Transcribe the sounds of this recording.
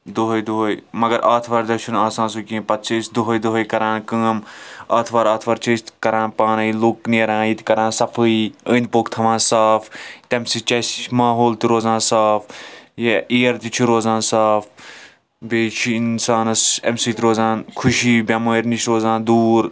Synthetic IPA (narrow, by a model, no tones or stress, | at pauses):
d̪oɦojd̪oɦojmɐɡɐɾʔaːt̪ʰʋɐːɾd̪ɐt͡ʃʰunaːsãːnsukʲĩːpɐt̪̚t͡ʃʰɐsd̪oɦojd̪oɦojkɐɾãːnkəːmaːt̪ʰʋaːɾaːt̪ʰʋɐɾt͡ʃʰɐːst̪kɐɾãːnpaːnɨilukneːɾãːit̪kɐɾãːnsɐfʰɨiəːnpoːkt̪ʰɐʋãːsaːft̪emsit͡ʃɐsmaːɦoːlt̪iɾoːzãːnsaːfjeiːɐɾt̪it͡ʃʰuɾoːzãːnsaːf | beːt͡ʃʰiinsaːnɐsɛ̰msiːt̪ɾoːzaːnkʰuʃiːbʲɐməːɾniʃɾoːzãːnd̪uːɾ